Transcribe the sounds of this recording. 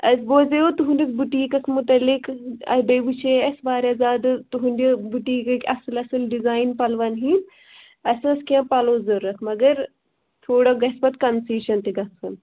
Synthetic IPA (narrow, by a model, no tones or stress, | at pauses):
ɐsboːzeot̪uɦundisbuʈiːkɐkʰmut̪ɐlːikɐ̰bɐʋut͡ʃʰeɐsbaːɾɐzaːd̪t̪uɦundibuʈiːkɐkʲɐslɐsɨlɖizaːjnpɐlʋɐnɦin | ɐsɐ̃skʲãːpɐloːzoɾːɐkʰmɐɡɐɾ | t̪ʰoːɽɐɡɐsbɐt̪kɐnsiːʃɐnt̪iɡɐsʰɐn